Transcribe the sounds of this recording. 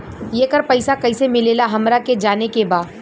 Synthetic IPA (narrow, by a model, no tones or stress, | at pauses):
jekəɾpɐɪsakɐɪsemɪleːlaɦɐmɾaked͡ʒaːnekebaːd̪